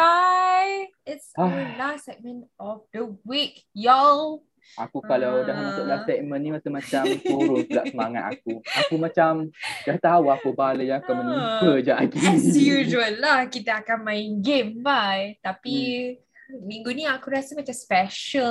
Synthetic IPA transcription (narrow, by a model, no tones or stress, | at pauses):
ajɪtsəlassɛk̚mə̃nɔfdəwik̚jɔl | akukalawdahmasuʔlahsɛk̚mə̃nːiast̪əmãt͡ʃamt̪uɾʊnt̪əlaʔsəmaŋa̰t̪̚a̰k̚uakumãt͡ʃamdaht̪auakubaləjaːkamənukəd͡ʒaʔaɡijuʒuəlːahkit̪aːkanmãiŋɡembajt̪api | mĩŋɡunĩakuɾiasamat͡ʃamspɛʃə